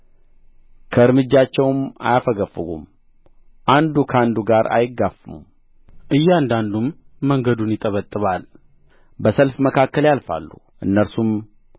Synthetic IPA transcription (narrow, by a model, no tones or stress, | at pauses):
kʰəɨɾmɨd͡ʒːat͡ʃːɛwma̰jafəɡəfːɨɡṵm | ʔand̪ukʰəand̪uɡaɾa̰jɪɡːafmṵm | ʔɨjːand̪and̪umːəŋɡəd̪unjɪt̪ʼəβət̪ʼːɨβal | bəsəlfməkʰakːəljalfa̰lːu | ʔɨnːəɾsum